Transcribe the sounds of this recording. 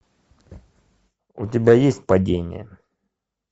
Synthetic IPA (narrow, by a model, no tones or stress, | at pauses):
ʊtʲɪbʲajesʲt̚ʲpɐdʲenʲɪ̰jə